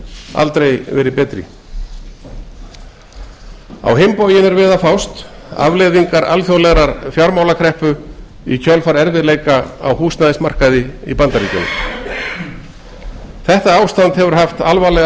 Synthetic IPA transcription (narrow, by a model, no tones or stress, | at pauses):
a̰lt̪ɾejvɛːɾɪpɛːt̪ɾɪ̰ | a̰wɦɪmpowjɪnɛɾvɛːðafawst̪ | a̰vlɛðiŋkaɾa̰lθjowlɛɣɾaɾfjaɾmaːwlakʰɾɛhpʏ | icʰœlfaɾɛɾvɪðleːjkaa̰whuːsnnaðɪsmar̥kaðɪḭpant̪aɾiːcʏ̰nʏ̰ | θɛht̪aaːwst̪ant̪hɛvʏɾ̥ɦaft̪alvalɛɣ